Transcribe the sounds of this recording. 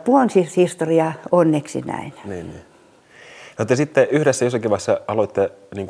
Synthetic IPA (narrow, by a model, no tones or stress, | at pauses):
puonsihist̪oriɑonːeksḭnæ̰inniːnnḭ | not̪ːɑsit̪ːeyhɾesːæjosːɑkiʋɑisːɑɑloit̪ːeniːŋku